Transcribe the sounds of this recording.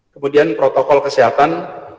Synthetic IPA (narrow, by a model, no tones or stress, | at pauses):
kəmudianpɾot̪ɔkɔlkəsiɦat̪an